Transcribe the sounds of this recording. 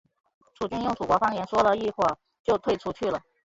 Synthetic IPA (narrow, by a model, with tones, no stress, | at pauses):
ʈ͡ʂʰu˨˩t͡ɕy˥˧njʊ˥˩ŋt͡su˨˩kwɔ˧˥fɑ˥ŋjɛ˧˥nʂwɔ˥lə˨i˥˧xwɔ˥˩ | t͡ɕjo˥˧ʊt̪ʰwe˥˩ɪʈ͡ʂʰu˧˥t͡ɕʰy˥˩lə˩